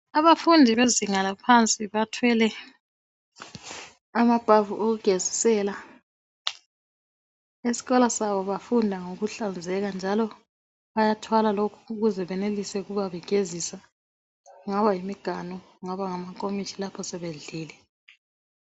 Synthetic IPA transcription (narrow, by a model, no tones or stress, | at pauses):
aβafundʱiβeziŋalapʰant͡sʼiβatʰwɛlɛ | amab̥ʱavuʔoɣuɡ̥ʱezisɛla | esi̥ɣɔlasaβɔβafundʱaŋoɣuɬand͡zʱɛɣand͡ʒʱalɔ | βajatʰwalalokʰu̥ːɣuzɛβɛnelisɛɣuβaβɛɡ̥ʱezisa | ŋaβajimiɡ̥ʱanɔ | ŋaβaŋamakʼomit͡ʃʰilapʰɔsɛβeɮiːlɛ